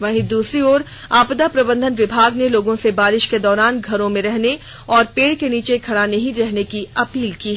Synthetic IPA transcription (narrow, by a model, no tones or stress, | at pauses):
ʋɐɦĩd̪uːsɾioːɾ | aːpd̪apɾɐbə̃nd̪ʱənʋɪbʱaːɡneloːɡõsebaːɾɪʃked̪ɔːɾaːnɡʱɐɾõmẽɾɛɦne | ɔːɾpeːɽkeniːt͡ʃekʰɐɽanɐɦĩɾɛɦnekiɐpiːlkiːɛ